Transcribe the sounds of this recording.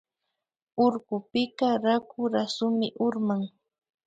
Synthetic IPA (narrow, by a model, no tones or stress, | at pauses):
ʊɾɢʊpɪkaɾakʊɾasʊmɪʔʊɾmaŋ